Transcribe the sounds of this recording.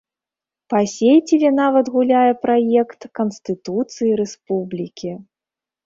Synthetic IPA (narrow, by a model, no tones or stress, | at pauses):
pasʲejt͡sʲilʲɛnavɐt̪ɣulʲajɛpɾajɛkt̪kɐnst̪ɨt̪ut̪sɨjiɾɛspublʲikʲi